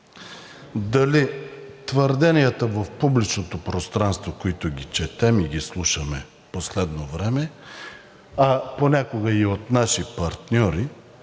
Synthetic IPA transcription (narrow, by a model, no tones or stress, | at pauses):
d̪ɐli | t̪vəɾd̪ɛnʲijət̪əvəfpublit͡ʃnot̪opɾost̪ɾanst̪vokoit̪ʊɡʲit͡ʃɛt̪ɛmiɡislˠuʃəmɛ | poslɛd̪novɾɛmɛ | ɐponʲakoɡəiot̪naʃipɐɾt̪nʲɔɾi